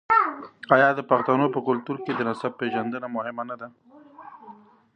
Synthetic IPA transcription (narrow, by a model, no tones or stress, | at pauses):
ɑjɑd̪əpaxt̪anopəkʊlt̪uɾked̪ənasab̚pːeʒand̪ənamʊhɪmanad̪a